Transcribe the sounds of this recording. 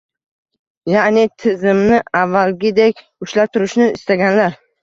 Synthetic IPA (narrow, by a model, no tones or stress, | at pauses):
janɪt̪ʰɪzɪmnɪavːalɡʲɪd̪ekʲ | ʊʃlap̚t̪ʰʊɾɪʃnɪɪ̰st̪aɡʲanlaɾ